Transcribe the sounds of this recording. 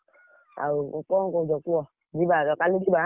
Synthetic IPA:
a̰ouk͡pɔkod͡ʒɔkuɔd͡ʒibaɔkalud͡ʒiba

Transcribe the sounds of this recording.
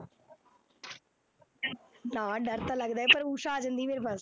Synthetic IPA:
nãːɖəɾt̪ãːləɡd̪aːɦɛpəɾuːʃãaːd͡ʒə̃nd̪iːmeːɾepaːs

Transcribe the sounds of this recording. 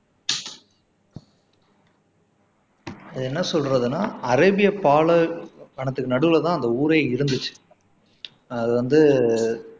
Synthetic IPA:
ɐðɯɛnːɐsɔlɾɐðɯnaːɐɾɐːbɪjɐpaːɭɐkɐɳɐt̪ːɯkːɯnɐɽɯʋɯlɐt̪ãːɐnd̪ɐuːɾeːɪɾɯnd̪ɯt͡ʃːɯ̥ | ɐðɯʋɐnd̪ɯ

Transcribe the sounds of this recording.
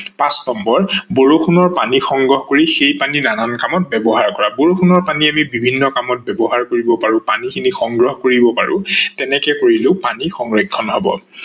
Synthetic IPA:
pãsnɔmbɔɹboɹoxʰunɔɹpanixɔŋɡɹɔɦkoɹixejpaninanankamɔt̚bɛbɔɦaɹkɔɹaboɹoxʰunɔɹpaniamibibʱinːɔkamɔt̚bɛbɔɦaɹkoɹibɔpaɹʊ̃panikʰinixɔŋɡɹɔɦɔkoɹibɔpa̰ɹʊ̰̃tɛnɛkɛkoɹileʊpanixɔŋɹikʰːɔnɦɔbɔ̰

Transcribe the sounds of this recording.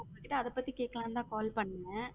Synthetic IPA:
ʊŋɡɐkɪʈːɐɐðɐpːɐt̪ːikeːʈkːɐlãːnd̪ãːkaːlpɐɳːɛ

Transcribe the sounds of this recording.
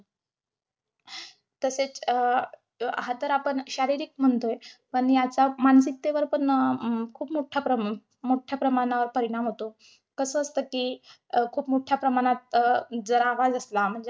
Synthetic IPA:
t̪əset͡s | ɦat̪əɾapəɳɕaɾiɾiːk̚m̤əɳt̪oepəɳjat͡samans̬ik̚t̪eʋəɾpəɳkʰuːpmoʈʰjapɾə | moʈʰjapɾəmaɽ̃aʋəɾpəɾiɽ̃amɦot̪o | kəsəːst̪əkikʰuːpmoʈʰjapɾəmaɽ̃at̪̚d͡zəɾaʋad͡zəslam̤əɳd͡ze

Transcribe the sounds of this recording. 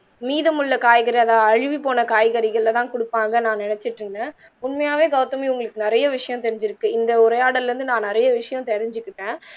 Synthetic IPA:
miːðɐmʊɭːɐkaːjɣɐɾiɐðaːɐɻɪʋipoːnɐkaːjɣɐɾɪɣɐɭːɐt̪ãːkʊɽɯpːaːŋɡɐnãːnɛnɛt͡ʃːɪʈrɯŋnɐ | ʊnmɐjaːʋeːɡɐʋt̪ːɐmɪʊŋɡɐɭɯkːɯnɪɾɐjɐʋɪʂɐjɐ̃mt̪ɛɾɪɲd͡ʒɪɾɯkːɯɪnd̪ɐʊɾɐjaːɽɐlɾɯnd̪ɯnãːnɪɾɐjɐʋɪʂɐjɐ̃t̪ɛɾɪɲd͡ʒɯkːɪʈːẽː

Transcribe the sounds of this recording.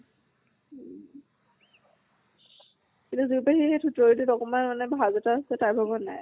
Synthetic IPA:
kintuzupaxixetʰutɔɹitutɔkɔmanmanɛbʱazɔtasɛtaɹbʱabɔna̰j

